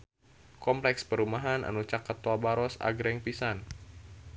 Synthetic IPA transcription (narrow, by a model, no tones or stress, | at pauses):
kɔmplɛkspəɾumaɦanʔa̰nut͡ʃakat̪ːuabaɾɔsa̰ɡɾɛŋpisan